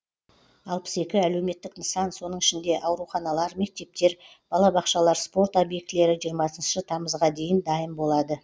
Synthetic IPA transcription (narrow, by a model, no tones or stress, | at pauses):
ɑlˠpə̥se̞kʲɪæle̞wme̞t̪ːɪknəsɑnso̞nəɴɪʃɪnd̪e̞ʔɑwɾuχɑnɑlˠɑɾme̞k̚t̪e̞p̚t̪e̞ɾ | b̥ɑlˠɑbɑqʃɑlˠɑɾspo̞ɾt̪ɑbje̞k̚t̪le̞ɾɪʒijəɾmɑsənʃʃət̪ʰɑməzʁɑd̪e̞jɪnd̪ɑjəmbo̞lˠɑd̪ə